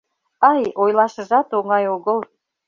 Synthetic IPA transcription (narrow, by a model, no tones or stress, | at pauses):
ɑjojlˠɑʃə̆ʒɑt̪oŋɑjoɣə̆lˠ